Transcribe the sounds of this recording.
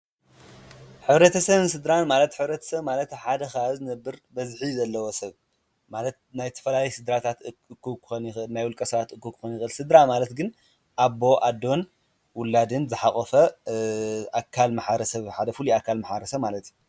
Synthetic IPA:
ħɨβɾɐt̪ʰɐsɐβɨnsɨd̪ɾanmalɐt̪ħɨβɾɐt̪ʰɐ̥sɐβmalɐt̪ħad̪ɐxazɨnɐbːɨɾbɐzħizɐlːɐwosɐβ | malɐt̪̚najt̪ʰɐ̥fɐlalɐjsɨd̪ɾat̪ʰat̪ɨkːukɨxonxnajwulkʼɐsɐβat̪ɨkːɨkʰːɨ̥xonjɪxʔɨlsɨd̪ɾamalɐt̪ɡɨn | ʔaβo̞ʔad̪ːo̞n | wʊlːad̪ɨnzɨħaχʼɐfɐ | ʔakʰːalmaħbɾɐsɐβħad̪ɐfuliakʰːalmaħbɐɾɐsɐβmalɐt̪ju

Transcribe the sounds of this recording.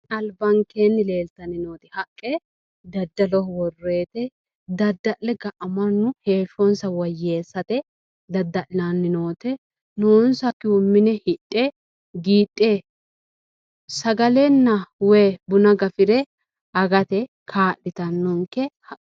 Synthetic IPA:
ɐlbɐŋkeːnːɪle̞ːlt̪ɐnɪnoːt̪ɛhɐkʼːɛ | d̪ɐd̪ːɐlɔhwɔrːe̞ːt̪ɛ | d̪ɐd̪ːɐʔlɛɡɐʔɐmɐnːʊhe̞ːʃɔnsɐwɐjːe̞ːsːɐt̪ɛ | d̪ɐd̪ːɐʔlɐnːɪnoːt̪ɛ | noːnsɐkɪʊmːɪnɛhɪtʼːe | ɡiːtʼːe | sɐɡɐlɛnːɐweːbʊnɐɡɐfɪɾɛ | ɐɡɐt̪ɛ | kʰaːʔɪt̪ɐnːɔŋkːɛhɐ

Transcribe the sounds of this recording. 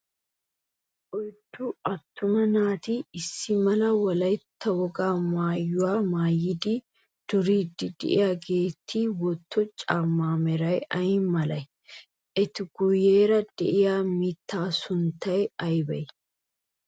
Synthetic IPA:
ʔɔjd̪uʔɐt̪ːʊmɐnaːt̪iːɪsːɪmɐlɐwɐlɐjt̪ʰːɐwɔɡaːmaːjːʊwaːmaːjɪd̪i | d̪̥ʊɾiːd̪ɪd̪ɪ̰ʔɪjaɡe̞ːt̪ʰːiːwɔt̪ʰːɔt͡ʃʼaːmːaːmɛɾɐjʔɐjɪmɐlɐj | ʔɛt̪ɪɡ̥ʊjːeːɾɐd̪̥ɛ̰ʔɪjaːmiːt̪ːaːsʊnt̪ɐjɛɐjbɐj

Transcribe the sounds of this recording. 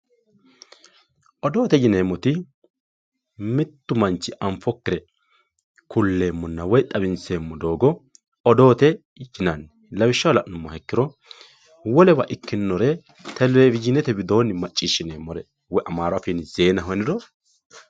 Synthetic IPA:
ʔɔd̪o̞ːt̪ɛd͡ʒɪneːmːɔt̪ɪ | mɪt̪ːʊmɐnt͡ʃːɪʔɐɱfɔkːɪɾɛ | kʰʊlːe̞ːmːɔnːɐwɔjt̪ʼɐbɪnseːmːɔd̪o̞ːɡɔ | ɔd̪o̞ːt̪ɛ | d͡ʒɪnɐnːɛ | lɐbɪʃːɐwlɐʔnʊmːɐhɛkːɪɾɔ | wɔlɛbɐʔɪkːɪnːɔɾɛ | t̪ʰɛlebɪd͡ʒɪnɛt̪ɛbɪd̪o̞ːnːɪmɐt͡ʃʼːiːʃːɪneːmːɔɾɛ | wɔjʔɐmaːɾafinze̞ːnɐɦɔnɪd̪ɔ

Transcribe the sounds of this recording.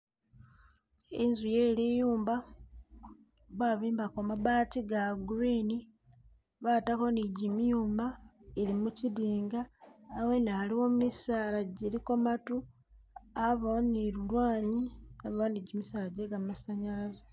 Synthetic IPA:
enzuje̞lijuːmba | βwaβiːmbakomaβaːtiɡaɡuɾiːni | βataxo̞niɟimijuːmbaeɾimuciðiːŋɡaːwe̞naːliwo̞mumisaːlaɟeɾikomatu | aβooniɾulwaːɲiaβaniɟimisaːlaɟeɡammasaɲalaze

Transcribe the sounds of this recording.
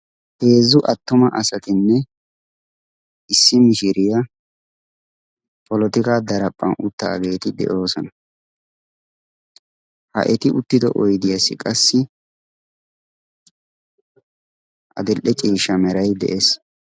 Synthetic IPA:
he̞ːzʊʔɐt̪ːʊmɐʔɐsɐt̪ɪnːɛ | ʔɪsːɪmɪʃɪɾɪjɐ | pʼɔlɔt̪ɪkaːd̪ɐɾɐpʼːɐ̰nʊt̪ːa̰ːɡe̞ːt̪ɪd̪ɛ̰ʔo̞ːsɔnɐ | hɐ̰ʔɛt̪ɪʔʊt̪ːɪd̪ɔ̰ʔɔjd̪ɪjɐsɪkʼɐsːɪ | ʔɐ̰d̪ɛlʔɛt͡ʃʼiːʃɐmɛɾɐjd̪ɛ̰ʔes

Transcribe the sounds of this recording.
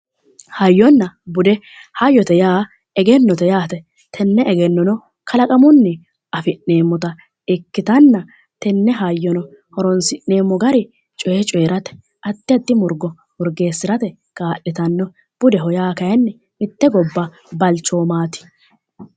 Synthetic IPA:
hɐjːɔnːɐbʊd̪ɛ | hɐjːɔt̪ɛjaː | ɛɡɛnːɔt̪ɛjaːt̪ɛ | t̪ʰɛnːɛɡɛnːɔnɔ | kʰɐlɐkʼɐmʊnːɛ | ɐfɪnneːmːɔt̪ɐ | ɪkːɪt̪ɐnːɐ | t̪ɛnːɛɦɐjːɔnɔ | hɔɾɔnsɪnne̞ːmːɔɡɐɾɪ | t͡ʃʼɔt͡ʃʼɔjɛɾɐt̪ɛ̥ | ɐt̪ːɪɐt̪ːɪmʊɾɡɔ | mʊɾɡe̞ːsːɪɾɐt̪ɛ | kaːʔːɪt̪ɐnːɔ | b̥ʊd̪ɛɦɔjaːkɐjɛnːɛ | ɪt̪ːɛɡɔbːɐ | bɐlt͡ʃːoːmaːt̪ɪ̥

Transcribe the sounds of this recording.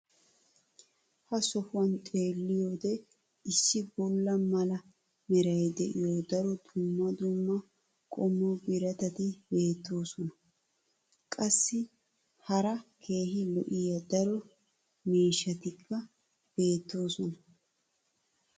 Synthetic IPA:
hɐsɔfʊwɐnt̪ʼe̞ːlːɪjoːd̪ɛ | ɪsːɪbɔlːɐmɐlɐ | mɪɾɐjd̪ɛʔɪjoːd̪ɐɾɔd̪̥ʊmːɐd̪ʊmːɐ | kʼɔmːobɪɾɐt̪ɐt̪ɪbe̞ːt̪ːo̞ːsɔnɐ | kʼɐsːɪ | hɐɾɐkʰe̞ːɦɪlɔʔɪjɐd̪ɐɾɔ | miːʃːɐt̪ɪkːɐ | b̥e̞ːt̪ːo̞ːsɔnɐ

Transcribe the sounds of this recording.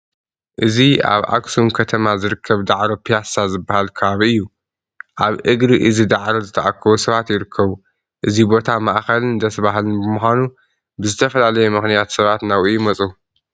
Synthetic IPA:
ʔɨzia̰βʔa̰ksunkʰɐt̪ʰɐmazɨɾɨkʰːɐβd̪aʕɾopijasazɨbːahalkʰɐβaβiɨjːu | ʔaβʔɨɡɾiʔɨzid̪aʕɾozɨt̪ʰɐʔakʰːɐwusɐβat̪jɪɾɨkʰːɐβu | ʔɨzibo̞t̪ʰamaʔxɐlɨnɨnd̪ɐsβaɦalɨnbɨmuxʷanu | bɨzɨt̪ʰɐfɐlalɐjɛmɨxnijat̪sɐβat̪nawʔujɪmɐt͡sʼu

